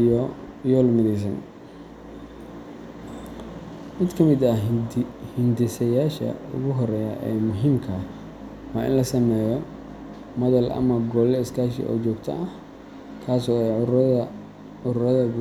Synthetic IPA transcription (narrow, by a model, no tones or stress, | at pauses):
jɔːlmɪðɛjs̬ɐn | mɪd̪kʰɐmɪd̪ɐ | hɪnd̪ɪsɐjaːʃɐ̰ʊ̰ɣʊɦɔrɛːjɐʔɛ̰ːmʊɦiːmkʰɐ | wɑːʔɪ̰nlɐsɐmɛːjɔ | mɐðɐlʔɐ̰mɐɡɔːlɛɪskʰaːʃḭʔɔ̰ːt͡ʃɔːɡt̪ʰɐ̰ɐh | kʰaːsɔːɛ | ʊɾɾɐðɐɡ